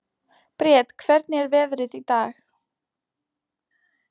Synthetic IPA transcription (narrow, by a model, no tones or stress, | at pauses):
pɾjɛːt̪kʰv̥ɛɾt̪nɪɛɾvɛːðɾɪðit̪aːx